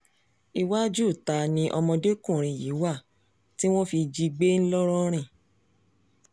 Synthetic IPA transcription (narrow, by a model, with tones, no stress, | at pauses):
i˧wa˦d͡ʒu˦˨ta˨˧nĩ˧˦ʔɔ˧mɔ̃˧de˦kũ˦˨ɾ̃ĩ˨ji˨˦wa˦˨ | ti˦w̃ɔ̃˦fi˧d͡ʒi˧ɡ͡be˦n̩˦lɔ˦ɾɔ̃˦ɾ̃ĩ˦˨